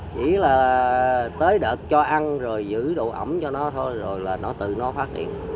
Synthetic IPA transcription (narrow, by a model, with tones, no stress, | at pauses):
t͡ɕḭ˧˩˥laː˨˩ | t̪əː˨˦jɗəː˨˩k̚t͡ɕɔ˧ʔa˧nzo˨˩jzɨ̰˧˥ɗṵ˧˨ʔə˧˩ŋ͡mt͡ɕɔ˧nɔ˨˦t̪ʰo˧jzo˨˩jlaː˨˩nɔ˨˦t̪ɨ̰˧˨nɔ˨˦faː˦˥t̚hḭ˧˨ən